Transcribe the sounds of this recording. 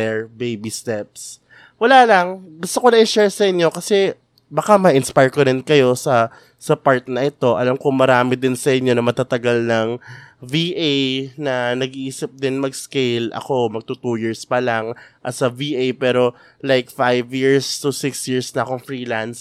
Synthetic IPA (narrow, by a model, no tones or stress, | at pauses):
ɛɹbejbist̪ɛp̚s | wɐlalɐŋɡʊst̪okonɐʔɪnʃɛɹsɐʔɪɲːo̞kɐsɛ | bɐkamɐʔɪnspajɹkoɾɪnkɐjo̞sɐ | sɐpaɹt̪̚nɐʔɛt̪o̞ʔɐlamkʊŋmɐɾaːmɪd̪ɪnsɐʔɪɲːo̞nɐmɐt̪at̪ɐɡalnɐŋviːʔejnɐnɐɡiʔiːsɪp̚d̪ɪnmɐɡskejlʔɐ̰ko̞mɐɡ̚t̪uːt̪ujiɹspɐlaŋʔɐt̪sɐviʔejpɛːɾo̞ | lajkfajvjiɹst̪ʊsɪksjiɹsnɐʔɐkoŋfɹiːlans